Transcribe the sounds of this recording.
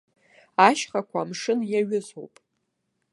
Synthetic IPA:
aʃχakʷʰamʂɨnjaɥɪzo̰wpʼ

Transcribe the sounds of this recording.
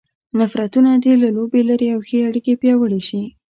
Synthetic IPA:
nafɾat̪unad̪elalobelaɾiawxeaɽikepjɑwəɽeʃi

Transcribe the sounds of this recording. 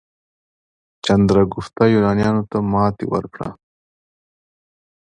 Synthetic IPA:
t͡ʃɐnd̪ɾaɡuft̪ajuːnɑːnijɑːnot̪amɑːt̪ḭwɐ̰ɾpɽa̰

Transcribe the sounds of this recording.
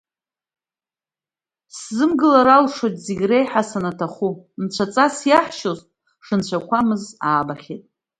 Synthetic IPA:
szɨmɡɨlaɾalʂojtʼzeɡʲrejħasanatʰaχumt͡ɕʷʰat͡sʼasjaħʃoztʼ | ʂɨnt͡ɕʷʰakʷʰamɨzaːbaχʲetʼ

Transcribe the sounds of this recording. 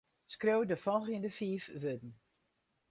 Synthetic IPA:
skrøwdəfɔlˠɣəndəfiːfʋødn̩

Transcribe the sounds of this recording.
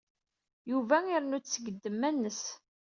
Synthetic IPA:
juvæiɾnut͡sːəɡəd̪ːəmːænːəs

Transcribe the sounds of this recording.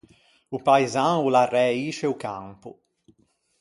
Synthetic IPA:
upaizaularːɛiːt͡ʃeuka̰mpṵ

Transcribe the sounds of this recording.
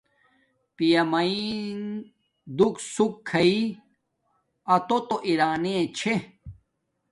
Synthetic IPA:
pijɐmɐin | d̪uksukʰːɐi | ɐt̪ot̪oʔiɾaːnẽt͡ɕʰe

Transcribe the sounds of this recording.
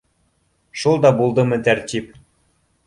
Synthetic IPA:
ʃulˠd̪ɑbulˠd̪ɤ̆mɘ̆t̪ært̪ʲip̚

